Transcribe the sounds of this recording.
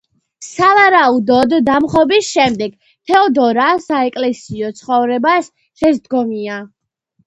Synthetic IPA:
savaɾaud̪ɔd̪ːamχɔbisʃɛmd̪ɛɡ | t̪ʰɛɔd̪ɔɾasaɛkʼlɛsiɔt̪sʰχɔvɾɛbas | ʃɛsd̪ɡɔmia

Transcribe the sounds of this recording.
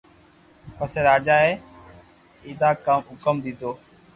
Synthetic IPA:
pəseːɾaːd͡ʒaːeː | ɪːd̪aːkəmɦʊkəmd̪ɪːd̪oː

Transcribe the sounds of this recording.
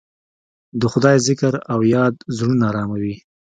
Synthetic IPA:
d̪əxʊd̪ɑjzɪkəɾawjɑd̪zɾunɑːɾɑmawi

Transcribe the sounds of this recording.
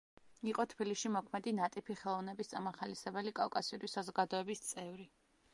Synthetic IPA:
iqʼɔt̪ʰbiliʃimɔkʰmɛd̪inat̪ʼipʰiχɛlˠɔvnɛbist̪sʼamaχalisɛbɛlikʼafkʼasiuɾisazɔɡad̪ɔɛbist̪sʼɛvɾi

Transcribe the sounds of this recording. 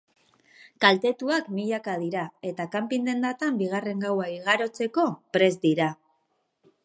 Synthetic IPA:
kalt̪e̞t̪uakmiʎakað̞iɾae̞t̪akampind̪e̞nd̪at̪ambiɣ̞are̞ŋɡawaiɣaɾo̞t͡se̞ko̞pɾe̞zd̪iɾa

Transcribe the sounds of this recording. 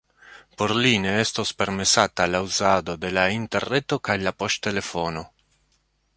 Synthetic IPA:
poɾliːneɛst̪ospeɾmesaːt̪alauzaːd̪od̪elaint̪erːet̪ːokajlapɔʃt̪elefono

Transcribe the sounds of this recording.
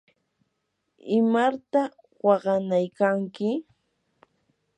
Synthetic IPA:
ɪmaɾt̪a | wɑɢɑnajkaŋkɪ

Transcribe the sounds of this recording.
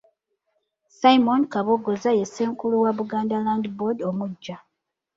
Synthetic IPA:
sajmonkaβoɡozajeseːŋkuluwaβuɡaːndalaːndibodomuɟːa

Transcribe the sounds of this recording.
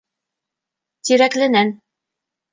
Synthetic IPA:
t̪iɾæklɘ̆næn

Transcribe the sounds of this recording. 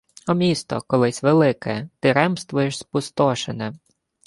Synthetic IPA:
ɔmʲist̪ɔ̰kɔlˠɪsʲʋelˠɪkɛt̪ɪɾɛmst̪ʋʊjɪʃspʊst̪ɔʃenɛ

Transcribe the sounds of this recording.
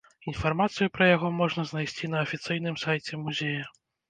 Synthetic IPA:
infarmat̪sɨjupɾɐjaɣɔmɔʐnɐznajsʲt͡sʲinɐːfʲit̪sɨjnɨmsajt͡sʲɛmuzʲejɐ

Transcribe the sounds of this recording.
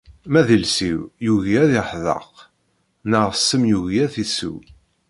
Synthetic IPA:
mæðilsiwjuʝæðɪħðˤə̰q | nəʁsːəmjuɣæθisṵw

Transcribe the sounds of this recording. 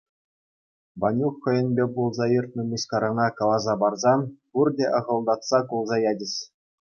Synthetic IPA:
ʋɑnʲuχːɤ̆jɘ̆nʲbʲebulˠzɑjɯrt̪̚nɤ̆mʲuɕkɑɾɤ̆nɑkɑlˠɑzɑbɑrzɑnpurdʲeʔɤ̆ʁɤ̆lˠd̪ɑt̪sɑkulˠzɑjɑdʲɘ̆ɕʲ

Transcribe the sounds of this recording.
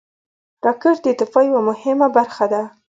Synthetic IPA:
ɾɑkəɾd̪ət̪ɪfɑjwamʊhɪmabaɾxad̪a

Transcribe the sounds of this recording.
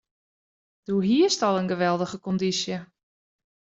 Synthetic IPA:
d̥uɦiəstɔlˠənɡəʋɛlˠdəɣəkɔndisjə

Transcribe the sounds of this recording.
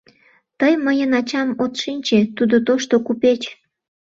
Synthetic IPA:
t̪əjməjənɑt͡ɕɑmot̪ʃinʲt͡ɕet̪ud̪ot̪oʃt̪okupet͡ɕ

